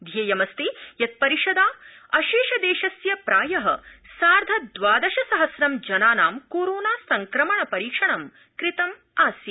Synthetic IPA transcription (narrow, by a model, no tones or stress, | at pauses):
d̪ʱjeːjɐmɐst̪ijɐt̪̚pɐɾiʂɐd̪aː | ɐʃiːʃɐd̪eːʃɐsjɐpɾaːjɐɦɐ̰saːɾd̪ʱɐd̪ʋaːd̪ɐʃɐsɐɦɐsɾɐmd͡ʒɐnaːnaːmkoːɾoːnaːsɐŋkɾɐmɐɳɐpɐɾiːkʂɐɳɐm | kɾit̪ɐm | aːsjɐ